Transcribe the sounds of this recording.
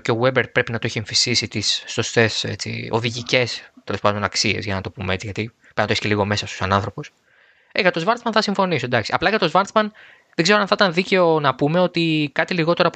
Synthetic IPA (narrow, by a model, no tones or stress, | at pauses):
ceowebeɾpɾe̞pinɐt̪oeçieɱfist̪isit̪isːo̞st̪e̞se̞̰t͡sḭo̞̰ðiʝice̞st̪e̞lo̞spɐnd̪o̞nɐksie̞̰zʝɐnɐt̪o̞pumee̞t͡siʝɐt̪i | pnt̪esceliɣo̞me̞sɐst̪o̥sɐnɐnθɾo̞pus | eɣɐt̪o̞zvɐɾt̪zmɐnθɐsiɱfo̞nisod̪ɐksiɐplɐʝɐt̪o̞zvɐɾsmɐn | ðeɡzeɾoɐnθit̪ɐnðice̞o̞nɐpume̞o̞t̪ikɐt̪iliɣo̞t̪e̞ɾɐ